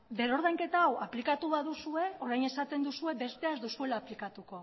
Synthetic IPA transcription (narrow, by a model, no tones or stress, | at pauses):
d̪e̞ɾo̞ɾðajŋke̞t̪aːwaplikat̪uβaðusue̞o̞ɾajne̞sat̪e̞nd̪usue̞be̞st̪e̞azd̪usue̞laːplikat̪uko̞